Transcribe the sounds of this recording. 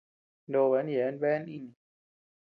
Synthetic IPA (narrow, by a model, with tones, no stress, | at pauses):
ndo˨ʋɛ˨˦n˦jɛ˨˦nbɛː˦ni˦˨ni˨